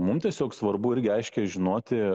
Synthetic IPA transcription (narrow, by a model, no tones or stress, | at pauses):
mʊmt̪ʲiɛsʲoːksʋɐrbʊɪɾʲɡʲɪɐɪʃʲkʲɛʒʲɪnoːt̪ʲɪ